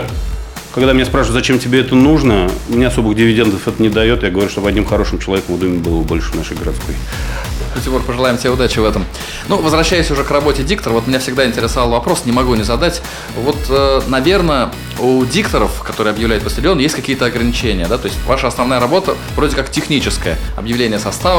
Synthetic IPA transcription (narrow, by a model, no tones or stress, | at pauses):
kɐɡd̪amɪnʲaspɾaʂvʊzɐt͡ɕemtʲɪbʲeɛt̪ənuʐnəmɪnʲaɐso̞bɨɣdʲɪvʲɪdʲend̪əfɛt̪ənʲɪd̪ɐjo̞t̪jaɡəvɐɾʲuʂt̪oɐdʲnʲimxɐɾo̞ʂɨmt͡ɕɪlˠɐvʲekəmvd̪umʲɪbɨlˠəbolʲʂɨvnaʂɨjɡəɾɐt̪skoj̪ | otʲɪpoɾpəʐɨlˠajɪmt̪ʲeʊd̪at͡ɕɪvɛt̪əm | nuvəzvɾɐɕːæjɪsʲʊʐɛkrɐbo̞tʲɪdʲikt̪əɾəvo̞t̪mʲɪnʲafsʲɪɡ̚d̪aɪnʲtʲɪɾʲɪsɐvalˠvɐpɾo̞snʲɪmɐɡunʲɪzɐd̪atʲ | vo̞t̪ənɐvʲe̞rnə | udʲikt̪əɾəfkɐt̪oɾɨjɐbjɪvlʲæjʊt̪pəsʲtʲɪdʲonjesʲtʲkɐkʲijət̪əɐɡɾənʲɪt͡ɕenʲɪjəd̪at̪o̞ɪsʲtʲvaʂəɐsnɐvnajəɾɐbo̞t̪ə | vɾo̞dʲɪkaktʲɪxnʲit͡ɕɪskəjəɐ̰bjɪvlʲenʲɪjəsɐst̪avə